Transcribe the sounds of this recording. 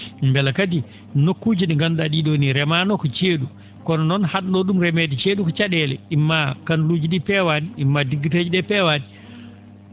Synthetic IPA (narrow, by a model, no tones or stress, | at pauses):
mbɛlakat̬i | nokːuːd͡ʒiniŋɡanɗaɗiɗoniɾɛmanɔkɔt͡ʃeːɗu | kɔnɔnɔnhaɗnɔɗumɾɛmɛdit͡ʃeːɗukɔt͡ʃaɗɛlɛ̰imːakanlud͡ʒiɗipɛwaniːmːadiɡited͡ʒiɗɛpɛwani